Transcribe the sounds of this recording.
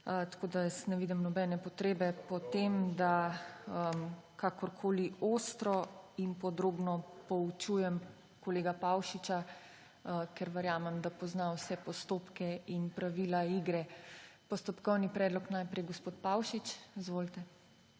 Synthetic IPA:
ət̪ḁkoːd̪ajəsnɛʋiːd̪imnɔbɛːnɛpɔt̪ɾeːbɛpɔt̪emd̪aəmkakɔɾkʰoːlioːst̪ɾɔinpɔd̪ɾoːbnɔpɔut͡ʃujɛm | kɔleːɡapawʃit͡ʃa | əkɛɾʋɛɾjamɛmd̪apɔznawsɛpɔst̪oːpkɛinpɾaʋilaiɡɾɛpɔst̪ɔpkɔwnipɾɛːd̪lɔknajpɾɛjɡospoːt̪pawʃit͡ʃzʋoːlt̪ɛ

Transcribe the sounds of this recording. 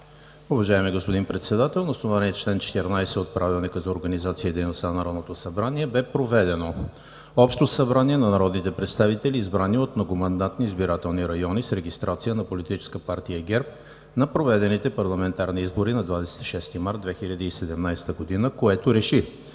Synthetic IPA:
ʊvɐʒaɛmiɡospod̪inpɾɛt̪sɛd̪at̪ɛlˠnosnovaniɛt͡ʃlɛnt͡ʃɛ̥t̪ɛɾnajsɛot̪̚pɾʔavilˠnikəzɐoɾɡənizat̪siəd̪ɛjnost̪anɐnɐɾɔd̪not̪osɐbɾaniɛbɛpɾovɛd̪ɛno | ɔpʃt̪osɐbɾaniɛnɐnɐɾɔd̪nit̪ɛpɾɛt̪st̪avit̪ɛliːzbɾaniot̪mnoɡomɐnd̪at̪niːzbiɾat̪ɛlˠniɾɐjɔnisɾɛɡist̪ɾʔat̪sijənɐpolit̪it͡ʃɛ̥skəpaɾt̪ijəɡɛɾp̚ | nɐpɾovɛd̪ɛnit̪ɛpɐɾlˠɐmɛnt̪aɾniizboɾinɐd̪vad̪ɛsɛ̥t̪i̥ʃɛst̪imaɾt̪̚d̪vɛxilʲəd̪əːsɛd̪ɛmnajsɛ̥t̪əɡod̪inəkoɛt̪oɾɛʃi

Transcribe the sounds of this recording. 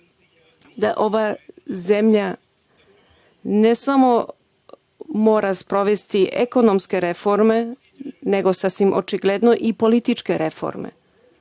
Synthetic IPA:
d̪aʔoʋazemʎa | nesamo̞ | moːɾaspɾo̞ʋe̞st̪iʔḛkonomske̞ɾefo̞ɾme̞ | neɡo̞sasʋimʔo̰t͡ʃiɡled̪noʔipo̞lit̪it͡ʃke̞ɾefo̰ɾmḛ

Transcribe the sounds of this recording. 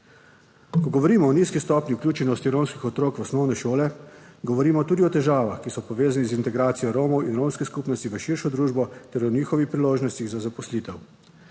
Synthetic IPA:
kɔɡɔʋɔɾiːmɔːniːskist̪ɔːpniuklʲjuːt͡ʃɛnɔst̪iɾomskixɔt̪ɾoːkʋɔsnɔwnɛʃoːlɛɡɔʋɔɾiːmɔt̪uːd̪iɔt̪ɛʒaːʋaxkisɔpɔʋeːzanizint̪ɛɡɾaːt̪sijɔɾoːmɔwinɾomskɛskuːpnɔst̪iʋəʃiːɾʃɔd̪ɾuːʒbɔt̪ɛɾɔniːxɔʋixpɾiloːʒnɔst̪iɣzazapɔsliːt̪ɛw

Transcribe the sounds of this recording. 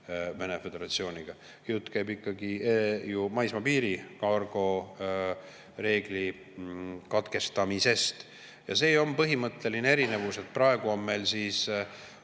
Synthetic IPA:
ve̞nefe̞d̪e̞ɾɑt̪sio̞ːnʲiɡ̥ɑ | jut̪ːˑkæjbikːɑɡijumɑjsmɑpiːɾikɑrɡ̥o̞ | re̞ːɡ̥li | kɑt̪ke̞st̪ɑmise̞st̪ | jɑ̰se̞ːo̞mpɤɦimɤt̪ˑːe̞linee̞ɾine̞vuse̞t̪̚pɾɑe̞ɡ̥uomːelsis

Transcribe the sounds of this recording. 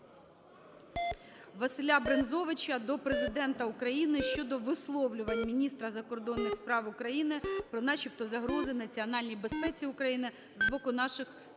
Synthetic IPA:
ʋɐsɪlʲabɾenzɔʋɪt͡ʃɐd̪ɔpɾezɪd̪ɛnt̪ɐʊkɾɐjinɪʃt͡ʃɔd̪ɔʋɪslˠɔwlʲʊʋɐnʲmʲinʲist̪ɾɐzɐkɔrd̪ɔnːɪxspɾɑwʊkɾɐjinɪpɾɔnɑʃipt̪ɔzɐɦɾɔzɪnɐt͡sʲiɐnɑlʲnʲijbe̞spɛt͡sʲiʊkɾɐjinɪ | zbɔkʊnɑʃɪx

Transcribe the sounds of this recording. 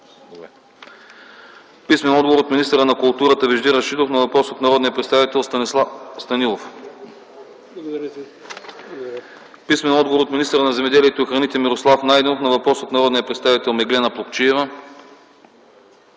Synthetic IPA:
pismɛnɔd̪dɡovoɾot̪minist̪əɾənɐkulˠt̪uɾət̪əviʒd̪iɾɐst͡ʃit̪ofnɐvɐpɾɔsot̪nɐɾɔd̪nijəpɾɛt̪st̪avit̪ɛlˠ | st̪ɐnilˠof | pismɛnɔd̪ɡovoɾot̪minist̪əɾənɐzɛmɛd̪ɛliɛt̪oixɾɐnit̪ɛmiɾoslˠafnajd̪ɛnofnɐvɐpɾɔsot̪nɐɾɔd̪nijəpɾɛt̪st̪avit̪ɛlˠmɛɡlɛnɐplˠokt͡ʃiɛvə

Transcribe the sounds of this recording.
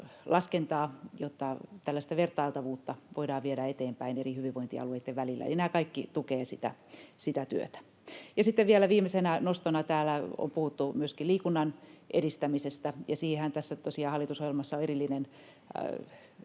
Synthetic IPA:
lɑskent̪ɑːjot̪ːɑt̪ælːæst̪æʋert̪ɑilt̪ɑʋuːt̪ːɑʋoidɑːʋʋieɾæet̪eːmpæinerihyʋiʋʋoint̪iɑ̰lueit̪ːeʋʋælilːæ̰ḛlinæːkɑikːit̪ukeːsit̪æ̰sit̪æt̪y̰ø̰t̪æ̥ | jɑsit̪ːeʋʋielæʋiːmesenænost̪onɑt̪æːlæo̰mpuhut̪ːumyøskiliːkunːɑnʔeɾist̪æmisest̪æjɑsiːhehænt̪æsːæt̪osiɑhɑlːˑit̪usohjelmɑsːɑoerilːinen

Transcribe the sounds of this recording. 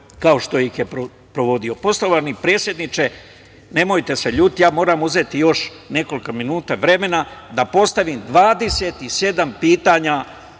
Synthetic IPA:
kaoʃt̪o̞ixjepɾo | pɾo̞ʋo̞d̪io̞po̞slo̞ʋanipɾe̞ːt̪sʲje̞d̪nit͡ʃe̞ | ne̞mo̞jt̪e̞se̞ʎuːt̪̚t̪jaːmo̞ːɾaːmuze̞t̪ijo̞ʃne̞ko̞likominuːt̪aʋɾe̞me̞nad̪apo̞st̪aʋiːmd̪ʋaːd̪e̞se̞t̪ise̞d̪ampiːt̪aːɲa

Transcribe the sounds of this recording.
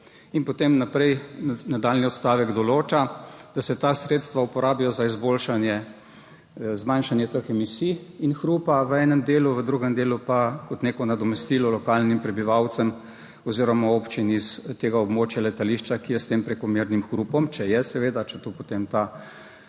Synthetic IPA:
inpot̪emnapɾɛjnad̪aːlniɔt̪st̪aːʋɛɡd̪ɔloːt͡ʃad̪̥asɛt̪asɾeːt̪st̪ʋaupɔɾaːbijɔzaizboːlʃanjɛ | zmanʃanjɛt̪əxɛmisiinxɾupaʋəɛːnɛmd̪eːluʋəd̪ɾuɡɛmd̪eːlupakɔt̪neːkɔnad̪ɔmɛst̪iːlɔlɔkaːlnimpɾɛbiʋawt̪səm | ɔziːɾɔmaopt͡ʃinist̪eːɡaɔbmoːt͡ʃjalɛt̪aliʃt͡ʃakijɛst̪empɾɛkɔmeːɾnimxɾupɔmt͡ʃɛjɛsɛʋeːd̪at͡ʃɛt̪opot̪emt̪a

